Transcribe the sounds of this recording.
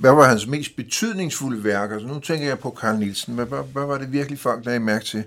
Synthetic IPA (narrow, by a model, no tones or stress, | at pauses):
ʋæʋɑ̈hænsme̝̰ːsd̥b̥e̝t͡sʰyð̞̰ˠne̝ŋsfuləʋæɐɡ̥æsnut͡sʰeŋ̰ɡ̥ɐjɑ̈ɪpʰɒ̽kʰɑ̈lnilsn̩ʋæʋæʋæʋɑ̈ɾe̝ʋiɐɡ̥əlifɒ̽l̰ɡ̥̚d̥æimæɐɡ̥̚t͡sʰe̝